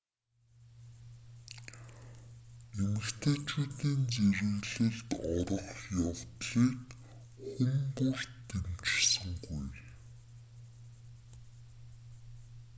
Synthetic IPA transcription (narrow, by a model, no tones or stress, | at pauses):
emɘ̆kt̪ʰeːt͡ɕuːt̪iːnt͡seɾɘ̆ɣɮɘ̆ɮt̪ɔɾɞ̆χjawt̪ɮiːk | χʊmpur̥t̪ʰːemt͡ɕsə̆ŋɡuj